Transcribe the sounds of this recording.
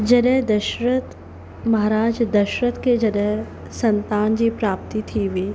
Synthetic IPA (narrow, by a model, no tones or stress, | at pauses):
d͡ʒɐɾɛd̪ɐʃɾət̪ | mɐɦaːɾaːd͡ʒd̪ɐʃɾət̪ked͡ʒɐɖɛɦ | sɐnt̪aːnd͡ʒipɾaːp̚t̪it̪ʰiʋi